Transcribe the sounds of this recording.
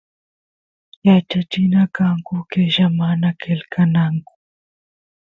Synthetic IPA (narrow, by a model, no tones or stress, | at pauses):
jat͡ʃat͡ʃɪnakaŋkʊkeʒamanakelkʰanaŋkʊ̥